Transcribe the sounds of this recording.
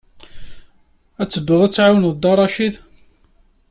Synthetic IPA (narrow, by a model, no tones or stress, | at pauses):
æt͡sːəd̪ːʊðˤæt͡sːʕawənðˤd̪ɑɾˤɑʃið